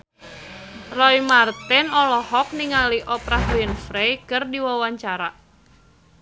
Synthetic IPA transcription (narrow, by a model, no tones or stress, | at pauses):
rɔimart̪ɛnɔlɔhɔk̚niŋaliʔɔpɾahbɛnfɾejkɨrdiwawaɲt͡ʃaɾa